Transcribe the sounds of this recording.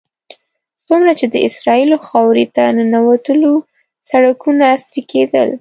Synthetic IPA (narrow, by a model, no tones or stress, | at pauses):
sumɾat͡ʃed̪əɪsɾɑiloxɑwɾit̪anənawat̪əlo | saɽakunaːsɾiked̪ə̰l